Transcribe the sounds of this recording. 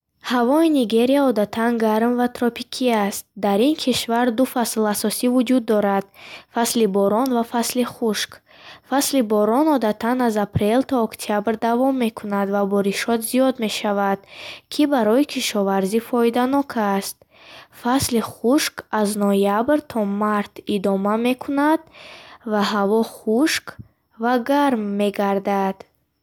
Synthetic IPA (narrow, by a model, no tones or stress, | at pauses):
havɔiniɡe̞ɾiaɔd̪at̪ʰanɡaɾmvat̪ɾɔpʰikʰiast̪̚d̪aɾinkʰiʃvaɾd̪ufaslasɔsivud͡ʒud̪ːɔɾad̪̥faslibɔɾɔnvafasliχuʃk | faslibɔɾɔnɔd̪at̪ʰanazapɾe̞lt̪ʰɔːkt̪ʰiabɾd̪avɔmːe̞kʰunad̪vabɔɾiʃɔt̪zijɔd̪me̞ʃavad̪̥kʰibaɾɔikʰiʃɔvaɾzifɔid̪anɔkʰast̪̚ | fasliχuʃkaznɔjabɾt̪ʰɔmaɾt̪ʰid̪ɔmame̞kʰunad̪̥vaɦavɔχuʃk | vaɡaɾmːe̞ɡaɾd̪ad̪̥